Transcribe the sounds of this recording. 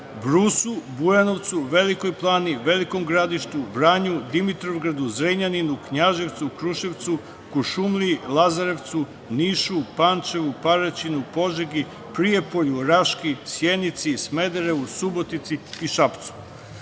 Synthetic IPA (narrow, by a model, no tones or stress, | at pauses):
bɾusubujano̞ʋt̪suʋe̞likojplˠaːniʋe̞likomɡɾad̪iʃt̪ubɾaɲud̪imit̪ɾoʋɡɾad̪uzɾeɲaninukɲaʒeʋt̪sukɾuʃeʋt̪su | kuʃumlilˠazaɾeʋt̪su | niːʃupaːnt͡ʃe̞ʋupaɾat͡ɕinupo̞ʒeɡi | pɾije̞poʎuɾaʃkisjenit̪sisme̞d̪eɾeʋusubot̪it̪siːʃapt̪su̥